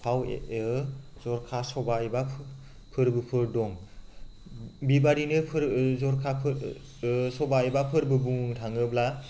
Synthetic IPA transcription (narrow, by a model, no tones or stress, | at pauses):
pʰawḛʔɯzɔɾkʰasɔbaibapʰ | pʰɯɾbɯpʰɯɾdɔŋ | bibaɾinɯpʰɯɾzɔɾkʰa | sɔbaebapʰɯɾbɯbuŋɯŋtʰaŋɯbla